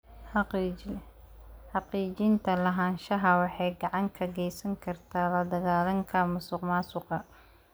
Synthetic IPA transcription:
ħɑqiːt͡ʃɪnt̪ʰɐlɐɦaːnʃɐɦɐwɑħɑjɡɑʕɑŋkʰɐɡɛjsɐŋkʰɐrt̪ʰaːlɐd̪ɐɣaːlɐŋkʰɐmʊsʊqmaːsʊqɑ

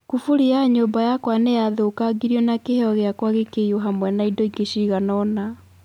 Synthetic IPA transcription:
kufuɾiaɲoːmbajakwanejaðoːkaɡiɾiɔnakeɦeɔɣeakwaɣekejoɦamwɛnaindɔikeɕiːɣanɔna

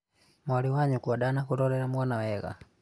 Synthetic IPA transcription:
mwaliwaɲukuwaɗanakulɔlɛɾamwanawɛɣa̰

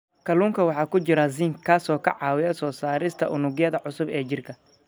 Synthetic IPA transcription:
kʰɐluːŋkʰɐwɑħɑːkʰʊt͡ʃɪɾɐz̬iːŋkʰaːsɔːkʰɐ̰ʕɑːwɪjɐsɔːsaːɾɪst̪ʰɐʔʊnʊɣjɐðɐʕʊsʊbɛːt͡ʃɪrkʰɐ

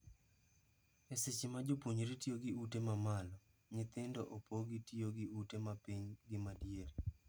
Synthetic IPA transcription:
ɛsɪt͡ʃɪmad͡ʒopwoɲoɾitioɡɪutemamalɔ | ɲɪt̪ɪndɔʔopoɡɪtioɡɪutemapiɲɡɪmadjeɾi

